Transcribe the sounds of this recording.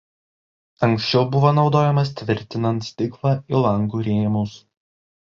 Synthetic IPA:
ɐŋksʲt͡ʃʲɛʊbʊʋoːnɒʊd̪oːjɛmɐst̪ʲʋʲɪɾʲt̪ʲɪnɐnt̪st̪ʲɪklˠɑɪlˠɐŋɡuːɾʲeːmʊs

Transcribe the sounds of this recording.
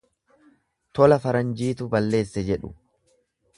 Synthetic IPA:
t̪ɔlɐfɐɾɐnd͡ʒiːt̪ʊbɐlːe̞ːsːɛd͡ʒɛᶑʊ

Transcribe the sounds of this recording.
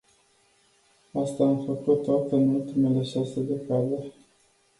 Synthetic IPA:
ast̪aːmfəkut̪ːat̪eɨnult̪ime̞le̞ʃase̞d̪ekad̪e

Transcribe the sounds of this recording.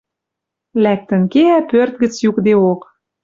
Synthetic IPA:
læk̚t̪ə̆nkeæpørt̪̚ɡə̆t͡sjukd̪eok

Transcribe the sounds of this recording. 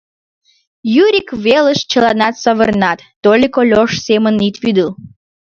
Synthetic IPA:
jyɾʲikveləʃt͡ɕəlɑnɑt̪səβə̰rnɑt̪ːolʲikolʲoʃsemənit̪βyd̪əl

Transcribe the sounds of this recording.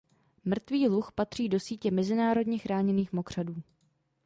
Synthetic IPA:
mr̩t̪viːluxpat̪r̥iːdo̞siːcɛmɛzɪnaːɾo̞dɲɛxɾaːɲɛniːxmo̞kr̝̥aduː

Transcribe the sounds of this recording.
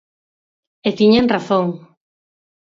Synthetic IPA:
et̪iɲeŋraθoŋ

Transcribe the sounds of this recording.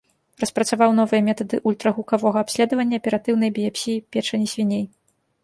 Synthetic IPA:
ɾɐspɾɐt̪savawn̪ɔvɨjɐmʲɛt̪ɐd̪ɨʔulʲt̪ɾɐɣukavɔɣɐapsʲlʲɛd̪ɐvɐnʲːɐɐpʲɛɾat̪ɨwnɐjbʲiɛpʲsʲipʲɛʂɐnʲisʲvʲinʲej

